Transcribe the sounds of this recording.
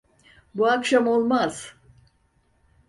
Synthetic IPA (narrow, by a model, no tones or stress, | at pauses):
buakʃamo̞lˠmaz̥